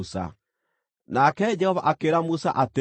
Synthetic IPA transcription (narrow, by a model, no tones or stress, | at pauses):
sa̰ | nakɛd͡ʒɛhɔvaʔakeɾamusa̰ʔate